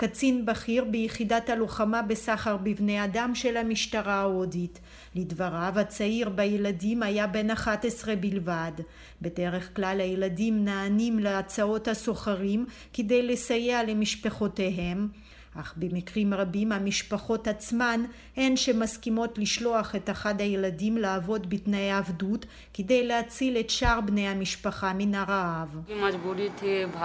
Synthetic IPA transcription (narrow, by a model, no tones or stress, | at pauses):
kat͡sinbaχiʁbejeχidathaluχamabe̞saχaʁbivne̞jadamʃe̞lhamiʃtaʁaodit | lidvaʁavhat͡saiʁbajeladimajabe̞naχatesʁe̞bilvad | be̞de̞ʁeχklalhajeladimnaːnimleat͡sao̞thaso̞χaʁim | ked̪e̞jle̞sajeale̞miʃpeχo̞teɦe̞m | ʔaχbemikʁimʁabimhamiʃpaχo̞that͡sman | e̞nʃemaskimo̞tliʃlo̞aχe̞t̪aχadhajeladimlaːvo̞dbitnaeavdut | kede̞jlehat͡sile̞tʃaʁbne̞jhamiʃpaχaminaʁaavimɐd͡ʒbuɾit̪ʰib